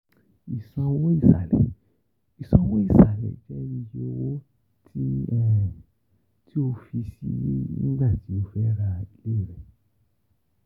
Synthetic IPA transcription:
i˨sɔ̃˧wɔ̃˦i˦˨sa̰˨lɛ̰˨ | i˨sɔ̃˧˦wɔ̃˦i˦˨sa˨lɛ̰˨d͡ʒɛ˦ni˧jo˧wo˦ | tʰi˦ɔ̃˦˨ɾũ˨ | ti˦o˧fi˧sḭ˧je˦nĩ˦ɡ͡ba˦˨ti˨˦o˧fɛ˦ɾa˧a˧le˦˨ɾɛ˨

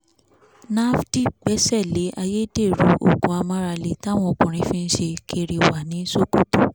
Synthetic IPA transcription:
na˦fdi˦˨k͡pɛ˨˦sɛ˦˨le˨˦ʔa˧je˦de˦˨ɾu˨˦ʔo̰˦˨ɡũ˨˦a˧mã˦ɾa˧le˨ta˦˨w̃ɔ̃˧o˨k͡pũ˨ɾ̃ĩ˧fĩ˦˧n̩˦ʃe˧kʰe˧˨ɾi˨wa˨nĩ˨˦so˦ko˦tu˦˨

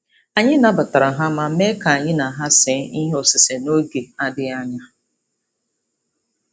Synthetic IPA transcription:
a˨ɲɪ˦na˨˦ba˨ta˨ɾa˨ɦa˦ma˦me˦ka˨a˨ɲɪ˦na˨ɦa˦se˨˦i˦ɦɔ˨sɪ˨se˨no˦ɡe˨a˦dɪ˦a˦ɲa˦

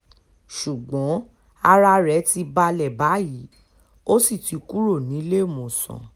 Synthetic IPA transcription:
ʃu˨ɡ͡bɔ̃˨˦ | a˧ɾa˧ɾɛ˨˦ti˧ba˧lɛ˨ba˨˦ji˨˦ | o˦si˦˨ti˨˧ku˦ɾo˦˨nĩ˨˦le˦o˦˨mõ˨sɔ̰̃˨

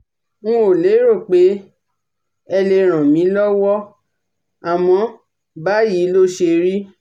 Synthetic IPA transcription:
ŋũ˦o˨le˨˦ɾo˦˨k͡pe˨˦ | ɛ˧le˧ɾ̃ã˨mĩ˨˦lɔ˦wɔ˦ | a˨mɔ̃˨˧˦ | ba˦ji˨˦lo˦ʃe˧ɾi˦

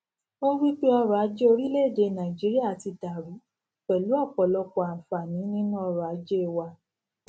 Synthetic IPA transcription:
mo˦wi˦k͡pe˦ɔ˧ɾa˨˦d͡ʒe˦o˧ɾi˦le˦˨de˨˧˦nã˨i˨d͡ʒi˨˦ɾi˦a˦˨ti˧da˨ɾu˨˦ | k͡pɛ˨lu˨˦ɔ˦˨k͡pɔ˨lɔ˧k͡pɔ˨ã˨fa˨nĩ˨˦nĩ˦nũ˦ɔ˧ɾɔ˨a˨˦d͡ʒe˦˨wa˧

